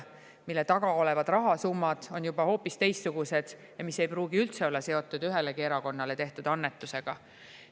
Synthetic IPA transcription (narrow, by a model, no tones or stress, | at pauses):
milːet̪ɑɡ̥ɑo̞le̞vɑd̪rɑɦɑsumːɑd̪̥o̞njub̥ɑho̞ːpːˑist̪e̞jst̪suɡ̥use̞d̪̥ | jɑmise̞jpɾuːɡ̥iylt̪se̞olːɑse̞o̞t̪ːˑud̪yɦe̞lekieɾɑko̞nːɑle̞t̪e̞ht̪ud̪̥ɑnːet̪ːˑuse̞ɡ̥ɑ